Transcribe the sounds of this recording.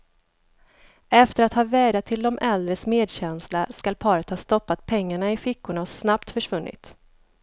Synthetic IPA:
ɛft̪əɾat̪hɑːvɛːɖat̪ʰːɪld̪ɔmʔɛld̪ɾəsmeːd̪ɕɛnslaskalpʰɑːɾət̪hɑːst̪ɔpːat̪̚pʰɛŋːaɳaɪfɪkːʊɳasnapt̪fœʂvɵnːɪ̰t̪

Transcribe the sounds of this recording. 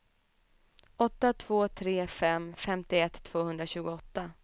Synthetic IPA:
ʔɔt̪ːat̪ʰv̥oːt̪ʰɾeːfɛmfɛmt̪ɪɛt̪ʰːv̥oːhɵnd̪ɾaɕʉ̟ːɡʊɔt̪ːa

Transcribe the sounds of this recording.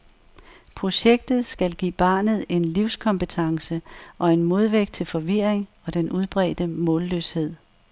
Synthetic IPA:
pʰʁo̝ɕeɡ̥d̥ð̞̩ˠsɡ̥ælɡ̥ḭːb̥ɑ̈ːnð̞̩ˠe̝nliʊ̰skʰɒ̽mpət͡sʰɑ̈ŋsəʔɒ̽e̝nmo̝ð̞ˠʋeɡ̥d̥̚t͡sʰe̝lfɒ̽ʋiɐ̰eŋɒ̽d̥enuð̞ˠb̥ʁɛ̰ːd̥əmɔ̰̽ːlːøshe̝ð̞̰ˠ

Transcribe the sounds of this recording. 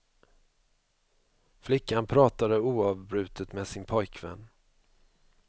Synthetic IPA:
flɪkːanpʰɾɑːt̪ad̪əuːɑvbɾʉ̟ːt̪ət̪mesɪnpʰɔjkʰvɛ̰nː

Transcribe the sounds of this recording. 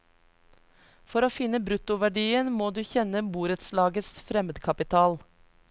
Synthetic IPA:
fɔɾoːfɪnəbɾʉt̪ʊʋæɖiːənmoːd̪ʉːçɛnəbuːɾət̪slɑːɡət̪sfɾɛməd̪kʰɑpɪt̪ʰɑːl

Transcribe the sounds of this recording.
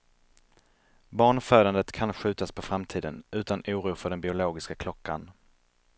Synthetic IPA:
bɑːɳføːd̪and̪ət̪kʰanɧʉ̟ːt̪aspʰɔfɾamt̪ʰiːd̪ənʉ̟ːt̪anuːɾuːfœɖɛnbɪʊloːɡɪskakʰlɔkːa̰n

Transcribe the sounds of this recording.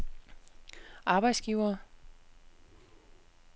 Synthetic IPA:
ʔɑ̈ːb̥ɑ̈ɪd̥sɡ̥iʊɐː

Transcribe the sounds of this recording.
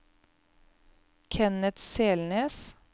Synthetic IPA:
kʰɛnət̪seːlneːs

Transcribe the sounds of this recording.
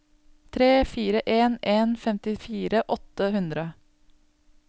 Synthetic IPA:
t̪ʰɾeːfiːɾəʔeːneːnfɛmt̪ɪfiːɾəʔɔt̪əhʉnd̪ɾə

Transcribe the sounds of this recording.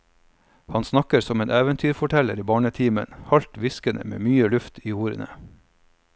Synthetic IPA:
hɑnsnɑkəɾsɔmeːnʔæːʋənt̪ʰyːɾfɔʈʰɛləɾiːbɑːɳət̪ʰiːmə̰nhɑlt̪ʋɪskənʔə̰mḛːmyːəlʉft̪ʰiːuːɾə̰nə̰

